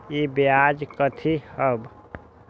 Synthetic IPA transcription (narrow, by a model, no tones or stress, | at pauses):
ibjad͡ʒkət̪ʰihəb